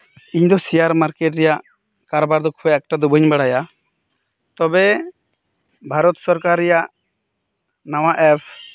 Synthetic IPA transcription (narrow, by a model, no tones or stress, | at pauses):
iɲd̪ɔsijaɾmaɾkɛʈɾɛjaʔ | kaɾbaɾd̪ɔkʰuɛɛk̚ʈad̪ubʱəɲbaɽaja | t̪ɔbɛ | bʱaɾɔt̪sɔɾkaɾːɛjaʔ | nawaʔɛpʰ